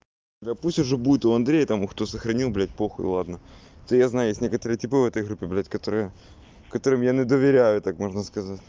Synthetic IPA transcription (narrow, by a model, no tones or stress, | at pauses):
lʲapusʲtʲʊʐɛbudʲɪt̪ʊɐnd̪ɾʲejɪt̪amʊxt̪osəxɾɐnʲilˠblʲætʲpoxʊɪ̰lˠad̪nəɛt̪ojaznajʊjesʲtʲnʲe̞kət̪əɾɨjətʲɪpɨvɛt̪əjɣɾupʲːɪblʲætʲkɐt̪o̞ɾɨjə | kɐt̪o̞ɾɨmjanʲɪd̪əvʲɪɾʲæjʊt̪akmo̞ʐnəskɐzatʲ